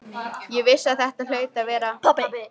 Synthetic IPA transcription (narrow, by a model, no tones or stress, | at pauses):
jɛvɪsaðθɛht̪al̥œːɥt̪avɛːɾaɔ